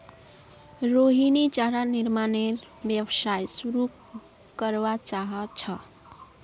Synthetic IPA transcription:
ɾoɦinit͡ʃaɾaniɾmaneɾ | bjebsajsuɾu | kəɾbat͡ʃaɦət͡ʃʰʌ

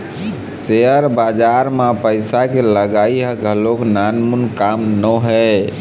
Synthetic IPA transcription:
seəɾbad͡ʒaɾmapəjsakeləɡaiɦəɡʱəloknanmunkamnəɦɛ

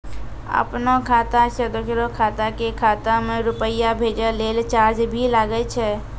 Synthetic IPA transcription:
ə̰pnokʰaːt̪aʃəd̪ʊkɾokʰaːt̪akekʰaːt̪amẽɾʊpəɪjabʱeːd͡ʒəleːlt͡ʃaːɾd͡ʒbʱilaɡət͡ʃʰɛ

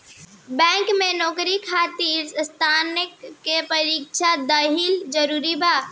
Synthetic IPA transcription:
bɛ̃ːŋkmẽnɔːkɾikʰaːt̪iːɾst̪ʰaːnɪkːepɐɾiːkʃad̪aɦild͡ʒəɾuːɾibaː

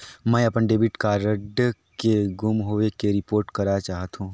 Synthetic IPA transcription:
mɛ̃ːɐpənɖeːbiʈkaɾəɖkeɡʊmɦoːʋekeɾɪpoːɾʈkɐɾat͡ʃaːɦət̪ɦũː

